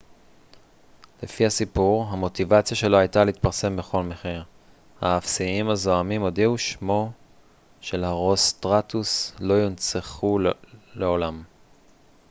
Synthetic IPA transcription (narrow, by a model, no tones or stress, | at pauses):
lefiasipuʁɦamo̞t̪ivat͡sjaʃe̞lohajtaleit̪paʁse̞mbe̞χo̞lmeχiʁ | haːfsiimazo̞amimodiuʃmo̞ | ʃe̞laʁost̪ʁat̪uslo̞jont͡seχuleo̞lam